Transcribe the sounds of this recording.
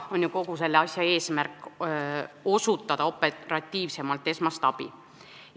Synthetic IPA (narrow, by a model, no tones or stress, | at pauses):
o̞nʲjuko̞ɡ̥use̞lːeɑsʲjɑe̞ːsmærkːˑ | o̞sut̪ːˑɑd̪̥ɑo̞pːˑerɑt̪ʲːiːvse̞mɑlt̪ːˑe̞smɑst̪ɑb̥ḭ